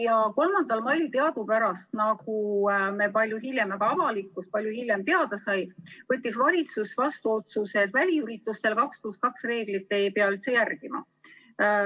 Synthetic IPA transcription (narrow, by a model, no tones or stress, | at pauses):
jɑko̞lmɑnd̪̥ɑlmɑjlit̪e̞ɑd̪upæɾɑst̪nɑɡume̞pɑlʲjuɦilʲje̞mɑɡ̥ɑɑvɑlikːˑus̚pɑlʲjuhilʲje̞mt̪e̞ɑd̪̥ɑsɑjvɤt̪ːˑisvɑlʲit̪susvɑst̪uo̞t̪suse̞d̪̥vælʲiyɾit̪ːˑust̪e̞lkɑkspluskɑksre̞ːɡ̥lit̪ːˑe̞jpeɑylt̪se̞jærɡ̥imɑ̰